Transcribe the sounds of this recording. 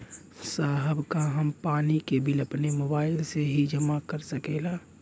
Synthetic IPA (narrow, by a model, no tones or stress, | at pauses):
saːɦəbkaɦɐmpaːnikebɪləpnemobaːɪlseɦid͡ʒʱəmakəɾsəkeːlaː